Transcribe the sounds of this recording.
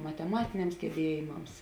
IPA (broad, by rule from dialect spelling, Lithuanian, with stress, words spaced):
mɐtʲɛˈmɑːtʲɪnʲɛms ɡʲɛˈbʲiɛjɪmɐms